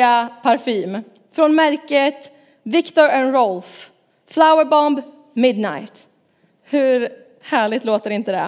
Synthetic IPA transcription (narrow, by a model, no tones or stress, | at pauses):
apʰaɾfiːm | fɾɔnmæɾkət̪ | vɪkt̪ɔɾɛnɾɔlf | flaʊəɾbɔmb | mɪd̪na̰jt̪ | hɵɾ | hæːɭɪɡt̪loːt̪əɾɪnt̪əd̪ɛ̰